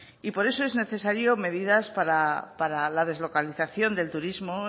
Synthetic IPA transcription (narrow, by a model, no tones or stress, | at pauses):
ipo̞ɾe̞soe̞zne̞θe̞saɾjo̞me̞ðiðaspaɾapaɾalað̞e̞zlokaliθaθjo̞nd̪e̞lt̪uɾizmo